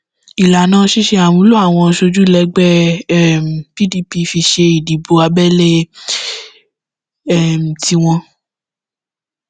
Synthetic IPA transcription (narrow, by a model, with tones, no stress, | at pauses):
i˨la˨nãː˦ʃi˦ʃe˧a˨wũ˨˦lo˦a˦˨w̃ɔ̃˧ʃo˧d͡ʒu˦˨lɛ˧˦ɡ͡bɛ˦m̩˨pi˦di˧˦pi˧fi˧ʃe˧i˨di˨bo˧a˧bɛ˦le˦ | ɛ˦˨m̩˨ti˧w̃ɔ̃˧